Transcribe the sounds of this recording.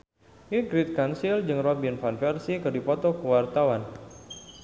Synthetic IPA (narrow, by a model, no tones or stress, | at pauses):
iɡɾit̪̚kansild͡ʒɨŋrɔbinfanfɛrsikɨrdipɔt̪ɔkəwart̪awan